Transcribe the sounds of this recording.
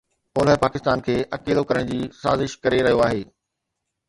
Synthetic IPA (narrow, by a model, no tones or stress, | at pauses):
poːləpaːkɪst̪aːnkʰeːʔɐkeːlokɐɾəɽ̃d͡ʑiːsa̰ːzɪʃkɐɾeɾɐɦijoaːɦeː